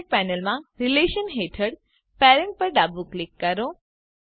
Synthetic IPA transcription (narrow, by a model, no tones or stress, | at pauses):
k̚pɛnəlmãɾileʃənɦeʈʰəɽ | pɛɾəɳʈ̚pəɾɖabuklɪkːəɾo